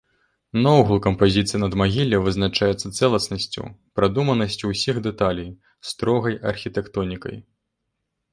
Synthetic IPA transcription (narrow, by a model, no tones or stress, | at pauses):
nɔwɣulˠkɐmpazʲit̪sɨjɐnɐd̪maɣʲilʲːɐvɨznat͡ʂajɛt̪sːɐt̪sɛlˠɐsnɐsʲt͡sʲṵpɾad̪umɐnɐsʲt͡sʲuwsʲixd̪ɛt̪alʲij | st̪ɾɔɣɐjɐrxʲit̪ɛkt̪ɔnʲikɐ̰j